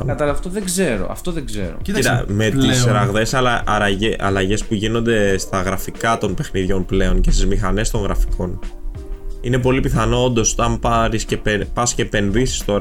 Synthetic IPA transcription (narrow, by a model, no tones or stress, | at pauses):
ɐt̪ɐɐft̪oðeɡze̞ɾo̰ɐ̰ft̪oðeɡzḛɾo̰it̪ɐme̞t̪isɾɐɣðe̞sɐlɐɐlɐʔɐlɐʝe̞spuʝino̞nd̪e̞st̪ɐɣɾɐfikɐt̪o̞npe̞xniðʝo̞nple̞o̞ncest̪izmixɐne̞st̪o̞ŋɣɾɐfi̥kʰo̞n | ine̞p̬o̞lipiθɐno̞ond̪o̞sot̪ɐmpɐɾiscepepɐscepe̞nðisi̥st̪o̞ɾɐ